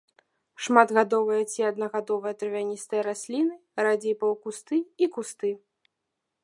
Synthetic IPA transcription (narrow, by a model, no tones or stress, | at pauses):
ʂmad̪ɣad̪ɔvɨjɐt͡sʲiɐd̪nɐɣad̪ɔvɨjɐt̪ɾɨvʲanʲist̪ɐjɐɾasʲlʲinɨɾad͡zʲejpɐwkust̪ɨikust̪ɨ